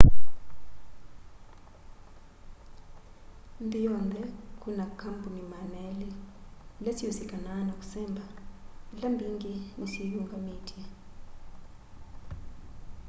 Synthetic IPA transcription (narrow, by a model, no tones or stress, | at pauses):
nd̪ijɔnd̪ʱɛkʼunakʰampunimanɛlɛ | letʰijosiɡ̥ʱʼananɔk̬ʼu̥sɛːmbʱalambʱiŋɡinisijuŋɡʱʼamiːdʰʱʼiɛ